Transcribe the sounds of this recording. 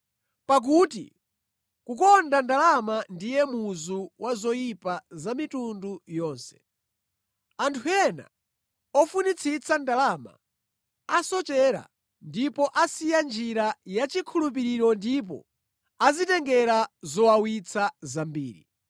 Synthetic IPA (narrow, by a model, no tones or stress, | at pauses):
pak̬uːtḭ | kukɔndandalamandijɛmuzuwʔazɔjipazamitundujɔːnsɛ̥ | antʰuɛna̰ | ɔfunit͡sʰit͡sʰandalama̰ | asɔt͡ʃɛɾa̰ | ndipɔʔasijand͡ʒiɾajat͡ʃikʰulup̬iɾiɾɔndip̬ɔ̰ | azitɛŋɡɛɾazɔwawit͡sʰazambḭːɾḭ